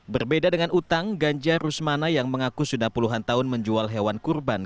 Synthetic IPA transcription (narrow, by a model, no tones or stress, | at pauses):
bərbedadəŋanʔut̪aŋɡaɲd͡ʒarusmanajaŋməŋakusudahpuluɦant̪aɦʊnməɲd͡ʒualɦewankurban